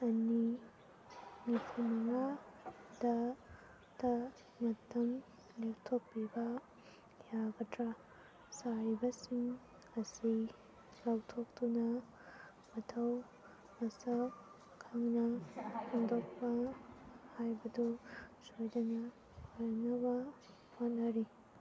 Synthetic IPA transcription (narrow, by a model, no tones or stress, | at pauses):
ɐni | nipʰumɐŋa | d̥ɐ | d̥ɐ | mɐtːɐm | lek̚tʰokːibɐ | jaɡɐtɾa | saɾibɐsiŋ | ɐsi | lawtʰok̚tunɐ | mɐtʰɐw | mɐsɐp | kʰɐŋnɐhoŋdok̚pɐ | hajbɐdusojdɐnɐ | haɾnɐbɐ | honɐɾi